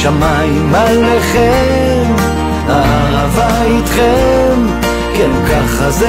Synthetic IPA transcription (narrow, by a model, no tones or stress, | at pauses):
ʃama | imaleχe | m | aaʁava | it̪χem | kelkaχaz